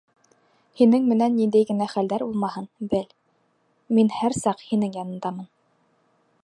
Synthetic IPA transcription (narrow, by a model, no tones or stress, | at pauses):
hinɘŋmɘ̆nænːind̪æjɡɘ̆næχæld̪æɾulˠmɑhɤnbɘl | minhæɾsɑqhinɘŋjɑnɤ̆nd̪ɑmɤn